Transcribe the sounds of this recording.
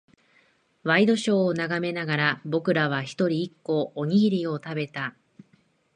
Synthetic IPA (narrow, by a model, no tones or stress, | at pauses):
βaid̪o̞ɕo̞ːnaɡame̞naɡaɾabo̞kɯ̟ɾaβ̞açi̥t̪o̞ɾʲiːkːo̞ːɲ̟iɡʲiɾʲio̞t̪abe̞t̪a